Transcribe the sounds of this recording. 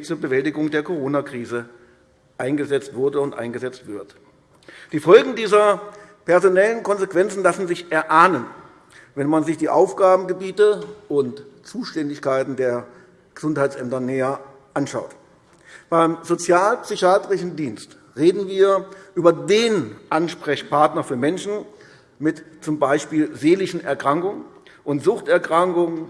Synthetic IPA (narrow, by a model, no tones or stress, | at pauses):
t͡suːɐbəvɛltɪɡʊŋdeːɐkʰoʁ̞oːnakʁ̥iːzə | ʔaɪnɡəzɛt͡stv̥ʊɐdəʊntʔa̰ɪnɡəzɛt͡stv̥ɪɐt | d̥iːfɔlɡŋ̩diːzɐ | pɛɐzonɛlənkʰɔnzekv̥ɛnt͡sn̩lasn̩zɪçʔɛɐʔaːnən | vɛnmanzɪçd̥iːʔaʊfɡ̥aːbm̩ɡəbiːtəʊntt͡suːʃtɛndɪçkʰaɪtn̩deːɐ | ɡ̥əz̥ʊnthaɪtt͡sʔɛmtɐnɛːɐ | ʔanʃa̰ʊt | b̥aɪmzot͡sjaːlpsʏçaːtʁɪʃn̩diːnst | ʁeːdn̩viːɐʔyːbɐdeːnʔanʃpʁ̥ɛçpʰaɐtnɐfyːɐmɛnʃn̩ | mɪtt͡sʊmbaɪʃpiːlzeːlɪçn̩ɛɐkʁ̥aŋkʊŋənʔʊntz̥ʊχtɛɐkʁ̥aŋkʊŋ